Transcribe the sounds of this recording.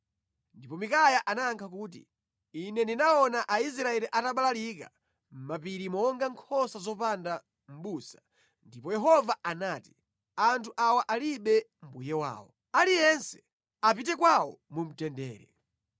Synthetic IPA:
ndipɔmikajaʔanaːŋkʰakuːt̬ḭ | inɛndinaɔnaʔais̬ɾaɛɾiʔataɓalalika̰ | m̩mapiɾimɔŋɡaŋkʰɔsazɔpanda | m̩ɓusḁ | ndipɔjɛɦɔvaanaːti̥ | antʰuʔawaʔaliɓɛm̩bujɛwa̰ːwɔ̰ | alijɛnsɛ̥ | ap̬it̬ɛkwawɔ̰mum̩tɛndɛ̰ːɾɛ̰

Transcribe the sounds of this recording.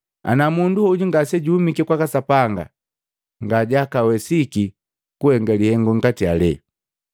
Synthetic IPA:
a̰namunduhɔɟuŋɡasɛɟuhumikɛkwakasapaŋɡa̰ | ŋɡaɟakawɛsiki | kuhɛŋɡalihɛŋɡɔŋ̩ɡatialɛ̰

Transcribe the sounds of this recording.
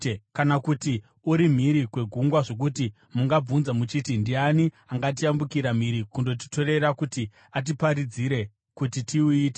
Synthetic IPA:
kanakuti | uɾim̤iɾikwe̞ɡʱuŋɡwaʐo̞k̬uti | muŋɡab͡vunzamut͡ʃitindiani | aŋɡat̬iambukiɾam̤iɾikundo̞t̬i̥to̞re̞ɾakuti | at̬ipaɾid͡ziɾe̞ | kutitʰiuiːt̬e

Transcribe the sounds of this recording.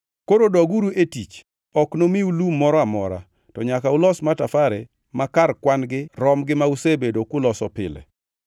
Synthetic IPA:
koɾodɔɡuɾuetit͡ʃ | ɔknomiulumɔɾɔamɔ̰ɾa̰ | tɔɲakaʊlɔsmatafaɾe | makarkwanɡɪɾɔmɡɪmausebedokʊlɔsɔpɪ̰lḛ

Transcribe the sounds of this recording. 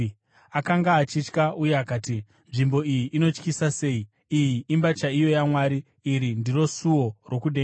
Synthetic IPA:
akaŋɡaːt͡ʃit͡ʃkauje̞akaːti | nʐimbo̞ijiʔːno̞t͡ʃkisase̞i | ijiimbat͡ʃaijo̞jamwaːɾiː | ɾindiro̞suwo̞ro̞kuɗe

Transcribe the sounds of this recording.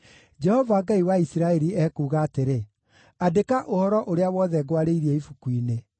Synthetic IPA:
d͡ʒɛhɔvaɡaiwaisiɾaɛɾiɛkuːɣaːteɾe | adekaʔohɔɾɔʔoɾeawɔːðɛɡwaɾeiɾiɛifukwine

